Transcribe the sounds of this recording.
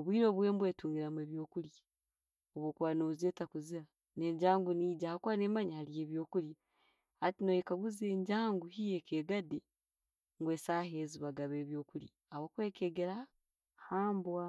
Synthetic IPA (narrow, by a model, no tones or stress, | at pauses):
oβwiːɾo̞ːβweːmbweːtuːŋɡiɾamweːβjo̞ːkulj | oβwokwaːnouzeːtakuziɾa | neɲɟaːŋɡuniːɟahakwanemaɲahalieːβjo̞ːkulja | atinojekaɡuze̞ːɲɟaːŋɡuhijekeːɡade | ŋɡwe̞ːsaːheziβaɡaβeːβjo̞ːkulji | awokweːkeɡeɾa | haːmbwa